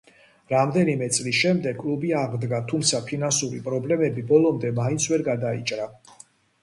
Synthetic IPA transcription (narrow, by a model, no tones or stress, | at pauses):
ɾamd̪ɛnimɛt̪sʼlisʃɛmd̪ɛɡkʼlubiaʁd̪ɡat̪ʰumt̪sʰapʰinansuɾipʼɾɔblɛmɛbibɔlˠɔmd̪ɛmaint̪sʰvɛɾɡad̪aḭt͡ʃʼɾa